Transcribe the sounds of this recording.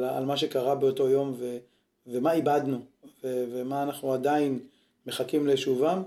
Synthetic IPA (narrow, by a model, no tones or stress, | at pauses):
a̰lmaʃ̬e̞kaʁabeoto̞jo̞mve̞ | vemaibad̪nuvevemaːnaχnuad̪ain | me̞χakimleʃuvam